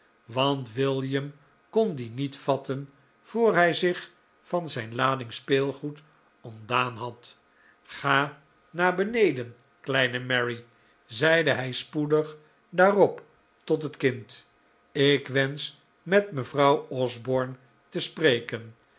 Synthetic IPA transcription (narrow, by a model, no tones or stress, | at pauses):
ʋɑntʋɪlˠjəm | kɔndinitfɑtən | v̥oːɹɦɛjzɪχ | fɑnzɛjnlaːdɪŋspeːlˠχut | ɔmdaːnɦɑt | χaː | naːɹbənejdən | klɛjnəmɛɹi | zɛjdəɦɛjspudəχ | daːrɔp | tɔtɦətkɪnt | ɪkʋɛns | mɛtməvrɑwɔzbɔɹn | təsprejkən